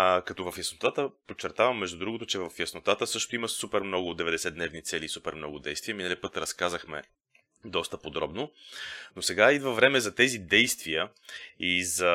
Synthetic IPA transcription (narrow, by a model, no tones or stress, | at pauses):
kɐt̪ɔvɐfjɐsnot̪at̪əpot͡ʃːɛɾt̪avɐmːɛʒd̪ud̪ɾuɡot̪ʊt͡ʃɛvɐfjɐsnot̪at̪əsɤʃt̪oiməsupɛɾmnɔɡʊd̪ɛvɛd̪ɛsɛd̪nɛvnit̪sɛliːsupɛɾmnɔɡʊd̪ɛjst̪vijəminəlʲipɤt̪ɾɐskazəxmɛ̰ | d̪ɔst̪əpod̪ɾɔbnonosɛɡaid̪vəvɾɛmɛzɐt̪ɛzid̪ɛjst̪vijə | izɐ